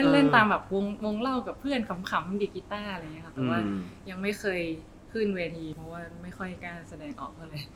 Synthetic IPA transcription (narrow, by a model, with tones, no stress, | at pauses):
le˥˩nle˥˩nt̪aː˧mbɛː˨˩p̚wo˧˥ŋwo˧ŋla˥˩wka˨˩pʰːɯ˥˩ənkʰa˧˦˥mkʰa˨˦˥mdi˧˩ki˧˦˥t̪aː˥˩ʔa˧˨ŋː˦˥ɐka˦˥p̪ːɛː˨˩˦waː˥˩ja˧ŋma˥˩jkʰɤː˧j | kʰɯ˥˩nweː˧t̪ʰiː˧pʰɾɔ˦˥waː˥˩ma˥˩jxʰɔ˥˩jkaː˥˩nsa˧dɛː˧ŋʔɔ̰ː˨˩k̚baː˥˩lɤː˧j